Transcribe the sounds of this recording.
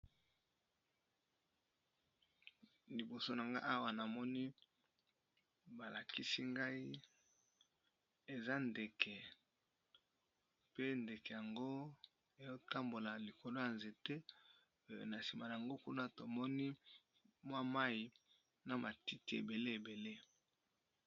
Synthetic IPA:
li˨bo˨so˦na˨ŋɡa˦ʔa˦wa˨na˨mɔ˦ni˦ | ba˨la˨ki˦si˦ŋɡa˦i˦ | e˨za˦nde˨kʰɛ˨ | pe˦nde˨kɛ˨ja˨ŋɡo˦ | e˨jo˦ta˦mbo˨la˨li˨ko˨lo˦ja˨nze˨te˦˨ | na˨si˨ma˨na˨a˨ŋɡo˦ku˦na˦to˨mɔ˦ni˦ | mwa˦ma˦i˨ | na˨ma˨ti˦ti˨ḛ˨be˨le˦e˨be˨le˦

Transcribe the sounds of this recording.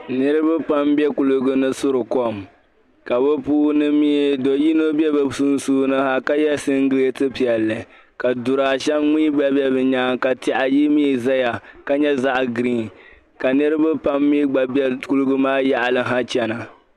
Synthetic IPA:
nɨ˦ɾɨ˦ba˦pa˦mbɛ˦ku˨lʊ˦ɡɨ˦nɨ˦sʊ˦ɾɨ˨kɔ˦m | ka˨bɛ˦puː˦nɨ˦mi˦ɛ˨do˨ji˦no˦bjɛ˦bɨ˦su˦n˦suː˦nɨ˦ha˦ka˦jɛ˦sɨ˦ŋ˦ɡɨ˦le˦tɨ˦pi˨ɛ˨lːɨ˨ | ka˨dʊ˨ɾaː˨ʃɛ˦mŋ͡mi˦ɡ͡bɛ˦bɛ˦bɨ˨ɲaː˦ŋka˨tɪ˨ʔa˨ji˦mi˦˨za˦ja˨ka˦ɲɛ˦za˦ʔɡɾiː˦˨n | ka˨nɨ˦ɾɨ˦ba˦pa˦mːi˦ɡ͡ba˨bɛ˦ku˦lʊ˦ɡɨ˦maː˦ja˦ʔa˨lɨ˦ɦa˦t͡ʃɛ˦na˨

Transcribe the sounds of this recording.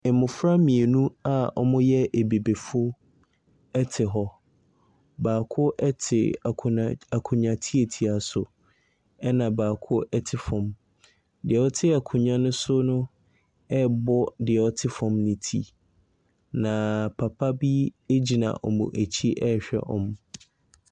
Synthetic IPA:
ɪ˨mʊ̃˨fɾa˦mĩ˨e˨nũ˦a˦ɔ̰˦mʊ̃˦jɛ˦ʔe˨be˨be˨fʊ˦ | ɛ˦tʰɪ˨ɦɔ˦ | baː˨kʰʊ˦ʔɛ˦tʰɪ̰˨a˨kʰʊ̃˨ɲã˨tʰi˦e˨tʰi˨a˨sʊ˨ | ɛ˦nã˨baː˨kʰʊ˦ɛ˦tʰɪ˨fɔ̃˨m | dɪ˨ɛ˨ɔ˦tʰɪ˦a˨kʰũ˨ɲã˦nʊ̃˦sʊ˦nʊ̃˦ | ɛ˦bɔ˦dɪ˨ɛ˨ɔ˦tʰɪ˦fɔ̃˨mnɪ̃˦tʰi˦ | nã˨pʰa˨pʰa˦bi˦e˦d͡ʑi˨nã̰˨ʔɔ˨mʊ̰̃˨ʔæ˨t͡ɕʰi˦ʔɛ˦ɕᶣɛ̰˦ʔɔ̰̃˦m

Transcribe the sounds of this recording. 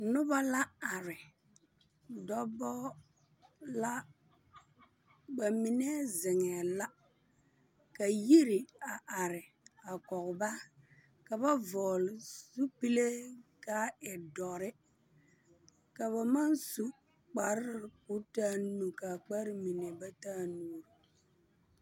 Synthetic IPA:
nʊ˦ba˦la˦a˨ɾɪ˨ | dɔ˦bɔ˦ | la˦ | ba˨mi˨nɛ˦zɪ˨ŋɛ˨la˦ | ka˨ji˦ɾɪ˨a˨ʔa˨ɾɪ˨ | a˨kɔ˨ɣba˦ | ka˨ba˦vɔː˨lzu˦pi˦le˦ka˦ɛ˨dɔ˨ɾɪ˦ | ka˨βa˨ma˦nsu˦ | k͡pa˨ɾɪ˦ɾɪ˨kʊ˦taː˦nu˨ka˨k͡pa˦ɾmi˨nɛ˨ba˦taː˦nuː˨ɾ

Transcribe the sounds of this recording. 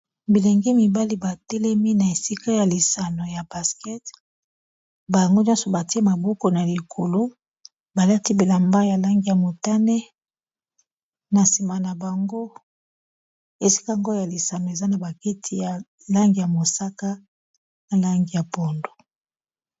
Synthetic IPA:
bi˨le˨ŋɡi˦mi˨ba˦li˦ba˨tɛ˦lɛ˦mi˦na˨e˨si˦ka˦ja˨li˨sa˨no˨ja˨ba˨skɛ˦t | ba˨jŋɡo˦njɔ̃˦nso˨ba˨ti˦e˦ma˨bo˦ko˨na˨li˨kʰo˨lo˦ | ba˨la˦ti˦bi˨la˨mba˦ja˨la˦ŋɡi˨ja˨mo˨ta˦nɛ˦ | na˨si˨ma˨na˨ba˨ŋɡo˦ | e˨si̥˦ka˦ŋɡo˦ja˨li˨sa˨no˨e˨za˦na˨ba˨ki˦tʰi˦ja˨ | la˦ŋɡi˨ja˨mo˨sa˦ka˦ | na˨la˦ŋɡi˨ja˨po˨ndo˨

